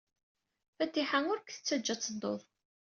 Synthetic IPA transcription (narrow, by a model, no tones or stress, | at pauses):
fæt̪ːiħaŋʊɾkθə̥t͡sːæd͡ʒːæt͡sːəd̪o̰ðˤ